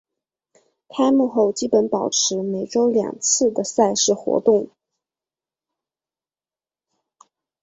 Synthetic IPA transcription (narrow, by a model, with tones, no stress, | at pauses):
kʰa˥ɪmu˥˧xo˥˩ʊt͡ɕi˥pə˧˥npɑ˨˩ʊʈ͡ʂʰɻ̩˧˥me˨˩ɪʈ͡ʂo˥ʊljɑ̰˨˩ŋt͡sʰɹ̩˥˩d̪ə˩sa˥˧ɪʂɻ̩˥˩xwɔ̰˧˥t̪ʊ˥˩ŋ